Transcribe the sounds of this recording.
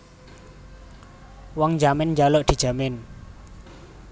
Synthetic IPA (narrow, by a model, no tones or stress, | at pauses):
wɔŋd͡ʒamɪnd͡ʒaloʔd̪̥i̤̥d͡ʒ̥a̤mɪn